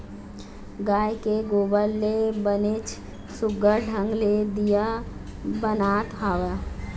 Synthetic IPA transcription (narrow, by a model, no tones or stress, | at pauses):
ɡaːjkeɡoːbəlːebənet͡ʃ | sʊɡəɾɖʱə̃ŋɡled̪ija | bənaːt̪ɦaːʋa